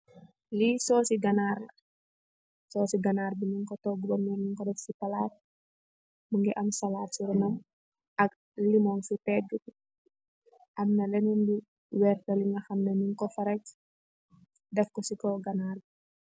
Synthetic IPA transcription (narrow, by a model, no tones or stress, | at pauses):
lisɔːsiɡanaːrlɐ | sɔːsiɡanaːrbiniŋkɔtɔɡulɔŋɛniŋkɔdɛfsipalaːt̚ | muŋɡɛʔɐmsalaːtsiɾɔnɔm | ʔɐk̚ | limɔŋsupɛɡu | ʔɐmnɐlɛnɛnbi | wɛrtɐliŋɡɐxɐmneniŋkɔfɐɾɛc̚ | dɛfkɔsikɔɡanaːrbi